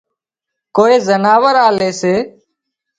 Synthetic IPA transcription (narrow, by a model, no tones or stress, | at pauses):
koːeːzənaːʋəɾaːleːseː